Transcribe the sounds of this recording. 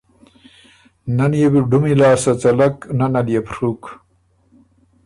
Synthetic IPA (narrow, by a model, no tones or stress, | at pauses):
nɐnjebiɖumilaːsɐt͡sɐlɐknɐnɐljepɾuk